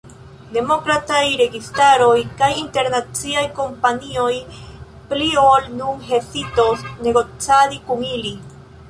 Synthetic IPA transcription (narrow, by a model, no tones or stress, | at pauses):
de̞mokɾatajɾe̞ɡistaɾo̞jkajinte̞ɾnat͡siajko̞mpanio̞j | pliolnunɦe̞sito̞sneɡo̞t͡saɾikuŋili